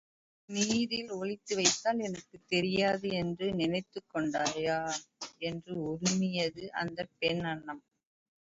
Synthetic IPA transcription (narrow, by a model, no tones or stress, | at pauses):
niːðɪlɔɭɪt̪ːɯʋɐɪt̪ːaːlɛnɐkːɯt̪ːɛɾɪjaːðɯɛndrɯnɪnɐɪt̪ːɯkːɔɳɖaːjaːɛndrɯʊɾʊmɪjɐðɯʔɐ̰nd̪ɐpɛnɐɳːɐm